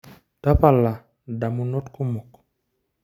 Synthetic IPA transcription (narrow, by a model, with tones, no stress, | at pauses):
ta˦pa˨lːa˨ | da˨mu˨no˦tku˦mo˨k